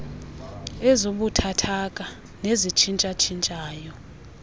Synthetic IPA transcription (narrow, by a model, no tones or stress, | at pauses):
ɛzoɓutʰatʰak̬ʼa | nezit͡ʃʰint͡ʃʼat͡ʃʰint͡ʃʼaːjɔ